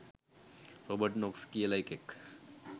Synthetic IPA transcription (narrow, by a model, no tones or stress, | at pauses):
ɾobəɾʈnokskielajkek